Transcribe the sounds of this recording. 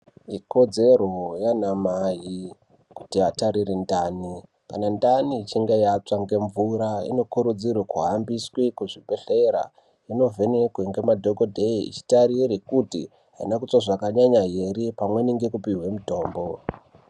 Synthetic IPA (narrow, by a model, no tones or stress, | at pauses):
iko̞d͡ze̞ɾo̞janamaɦi | ku̥tiataɾirindaːni | kanandanit͡ʃiŋɡejat͡saŋɡe̞ɱvuɾaḭno̞kuɾud͡zirwekuɦambiswekuʐibʱe̞ɬeɾa̰ | ino̞vʱe̞ne̞kweŋɡe̞madʱoɡodʱeiḭt͡ʃi̥taɾirikutḭ | ɦaḭnakut͡swaʐakaɲaɲaɦeɾipamwe̞niŋɡe̞kupiɦwe̞muto̞ːmbo̞